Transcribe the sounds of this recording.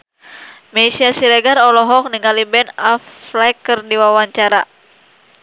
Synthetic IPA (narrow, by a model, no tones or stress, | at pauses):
mɛsiasiɾɛɡaɾɔlɔɦɔk̚niŋalibɛnaflakərdiwawaɲt͡ʃaɾa